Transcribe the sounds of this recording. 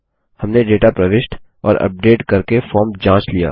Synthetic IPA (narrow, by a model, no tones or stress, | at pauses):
hɐmneɖeːʈapɾɐʋɪʃʈʰ | ɔ̰ːɾɐ̰p̚ɖeːʈkɐɾkefɔːɾmd͡ʒãːt͡ʃlija̰ː